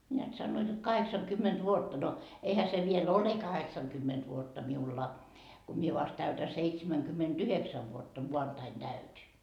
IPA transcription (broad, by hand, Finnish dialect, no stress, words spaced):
neæt sɑnːoit jot kɑheksɑŋkymːent ʋuotːɑ no eihæ se ʋiel ole kɑheksɑŋkymːent ʋuotːɑ miulːɑ ko mie ʋɑst tæytæ seitsemæŋkymːentyheksæʋ ʋuotːɑ muɑntɑin tæytʲi